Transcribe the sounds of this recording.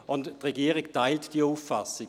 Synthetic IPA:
ʊnttʁeɡiːəʁiktaɪltd̥iəuːfːasɪ

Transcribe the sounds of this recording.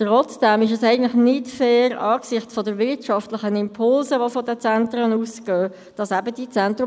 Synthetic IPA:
tʁɔt͡sd̥ɛmɪʃ̬ɛsæɪɡən̩tlɪxnɪtfɛːɾɑːksɪχtfɔdəɾvɪtʃɑftlɪχənɪmpʰʊlzəʋofɔdət͡sɛntɾənuːsɡ̥øː | d̥ɑsæbəd̥it͡sɛntrʊ

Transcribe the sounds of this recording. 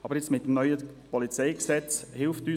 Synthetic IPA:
ɑbəɾjɛt͡smɪt̚demnœʏəpɔlit͡sɛɪksɛt͡shɪlftyː

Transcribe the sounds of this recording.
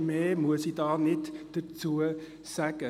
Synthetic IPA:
meːmuəsidɑːnɪtd̥ət͡suə | sæɡ̥ə

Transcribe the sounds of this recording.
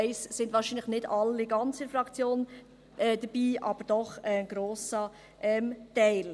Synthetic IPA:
ɪssɪndʋɑːɾʃiːnləχnɪdɑlːiɡɑnt͡səfɾɑkt͡sjoːn | ʔɛd̥̪əbiːʔɑ̰b̥əɾd̥ɔχɛnɡ̥ɾoːsə | ʔɛmtɛɪl

